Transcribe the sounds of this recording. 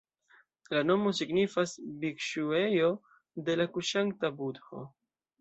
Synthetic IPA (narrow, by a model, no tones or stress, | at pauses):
lano̞mo̞siɡnifasbikʃue̞jo̞ | de̞lakuʃaŋ̚tabudho̰